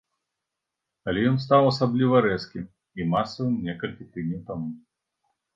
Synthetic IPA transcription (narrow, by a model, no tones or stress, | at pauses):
ɐlʲɛjɔns̬t̪awɐsablʲivɐɾɛskʲi | imasːɐvɨmnʲɛkɐlʲkʲit̪ɨdʲnʲɛwt̪amu